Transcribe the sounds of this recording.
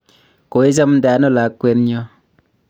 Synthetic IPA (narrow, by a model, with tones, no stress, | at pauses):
ko˨i˦s̬a˦mn̩˦da˨˦no˦˨la˨˦kːwe˦nɲɔ˦